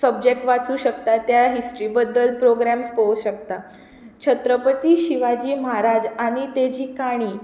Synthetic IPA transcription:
səbd͡ʑek̚ʈʋat͡suːɕəkt̪at̪jaɦisʈɾibəd̪ːəlpɾoɡɾamspəuɕəkt̪a | t͡ɕʰət̪ɾəpət̪iːɕiʋad͡ʑiːmaɾad͡ʑaɽ̃it̪ed͡ʑiːkaɽ̃iː

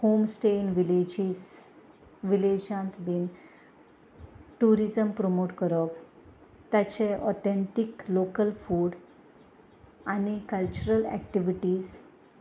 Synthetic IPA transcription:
homsʈenʋiled͡ʑis | ʋiled͡ʑãnt̪biːn | ʈuɾizəmpɾomoʈkəɾək | t̪jat͡ɕeʔɔt̪ẽnt̪iklokəlfuːɽ | anikəlt͡ɕuɾəlæ̰k̚ʈiʋiʈiːz

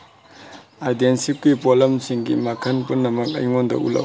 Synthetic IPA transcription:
ajdensipɡipolɐmsiŋɡḭmɐkʰɐnpunːɐmɐk̚ɐ̰jŋondɐ̰ʔṵlɐ̰w

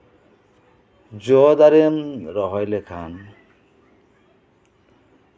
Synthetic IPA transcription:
d͡ʒɔd̪aɾemɾɔɦɔjlekʰan

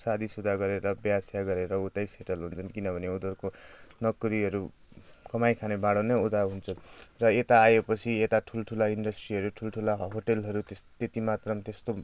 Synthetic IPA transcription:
sad̪ʱisud̪ʱaɡʌɾeɾʌbjasjaɡʌɾeɾʌut̪ajseʈʌlɦunt͡sʰʌnkinʌbʱʌneud̪ʌrkonʌkɾiɦʌɾu | kʌmajkʰanebaɽʌnʌjud̪aɦunt͡sʰʌnrʌet̪aːjepʌt͡sʰiet̪aʈʰulʈʰulainɖʌsʈriɦʌɾuʈʰulʈʰulaɦoʈelɦʌɾut̪t̪et̪imat̪rʌmt̪est̪o

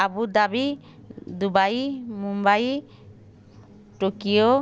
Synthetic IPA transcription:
abud̪abi | d̪ubajmumbaj | ʈokio

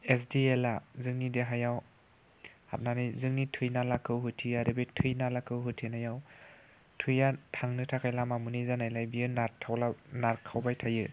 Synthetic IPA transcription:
esdielazɯŋnideɦajaw | ha̰t̚nanɯjzɯŋnitʰɯjnalakʰɯwɦɯtʰiaɾɯbetʰɯjnalakʰɯwɦɯtʰinajaw | tʰɯjatʰaŋnɯtʰakʰajlamamunizanajlajbijɯnatʰawlanaɾkʰawbajtʰajɯ

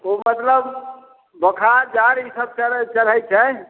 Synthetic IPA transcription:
omət̪ləb | bəkʰad͡ʒaɾisəb̚t͡ʃət͡ʃəɾəjt͡ʃʰɛ

